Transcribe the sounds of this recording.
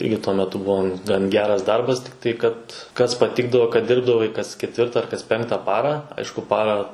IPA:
ˈɪrʲɡʲɪ tuɔ mʲɛˈtʊ ˈbʊʋoː ɡɐn ˈɡʲæːrɐs ˈdɐrbɐs tɐɪ ˈkɐt kɐs pɐˈtʲɪɡdɐʋoː kɐt ˈdʲɪrbdɐʋɐɪ kɐs ˈkʲæːtʲʋʲɪrtɐ ɐr kɐs ˈpʲɛŋktɐ ˈpɑːrɑː ˈɐɪʃkʊ ˈpɑːrɑː

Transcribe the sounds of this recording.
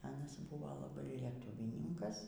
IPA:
ˈɑːnɐs ˈbʊʋoː lˠɐˈbɐɪ lʲiɛˈtʊʋʲiːnʲɪŋkɐs

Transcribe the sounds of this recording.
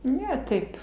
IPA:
ˈnʲɛ ˈtɐɪp

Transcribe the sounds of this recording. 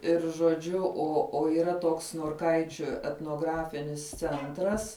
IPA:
ˈɪr ʒoːˈd͡ʒʲʊ ˈoː oː iːˈrɐ ˈtoːks noːrˈkɐɪt͡ʃʲʊ ɛtnoːˈɡrɑːfʲɪnʲɪs ˈt͡sʲɛntrɐs

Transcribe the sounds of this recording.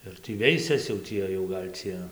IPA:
ɪr ˈtʲiː ˈʋʲɛɪsʲɛs jɛʊ ˈtʲiɛ jɛʊ ɡɐlʲ ˈt͡sʲiɛ

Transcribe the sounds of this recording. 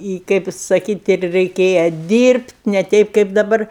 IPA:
ɪ ˈkɐɪp sɐˈkʲiːtʲ ɪr rʲɛɪˈkʲeːjɛ ˈdʲiːrʲpʲtʲ nʲɛ ˈtʲɛɪp kɐɪp dɐˈbɐr

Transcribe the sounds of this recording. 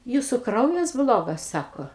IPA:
ˈjuːsʊ ˈkrɐʊjɛs ˈblˠoːɡɐs ˈsɑːkoː

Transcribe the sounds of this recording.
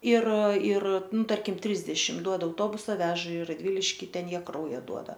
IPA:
ɪr ɪr ˈnʊ ˈtɐrʲkʲɪm ˈtʲrʲɪzʲdʲɛʃʲɪm ˈduɔdɐ ɐʊˈtoːbʊsɐ ˈʋʲæːʒɐ ɪ rɐdʲˈʋʲɪlʲɪʃʲkʲɪ ˈtʲɛn ˈjiɛ ˈkrɐʊjɛ ˈduɔdɐ

